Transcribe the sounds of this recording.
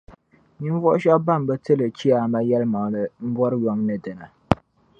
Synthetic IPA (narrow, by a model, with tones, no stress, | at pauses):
ɲi˦n˦vɔ˦ʔʊ˦ʃa˦ba˦˨m˨bɨ˦tɨ˦lɨ˨t͡ʃi˦a˨ma˦jɛ˦lma˨ŋlɨ˨m̩˦bɔ˦ɾɨ˦jɔ˦ŋnɨ˨dɨ˨na˨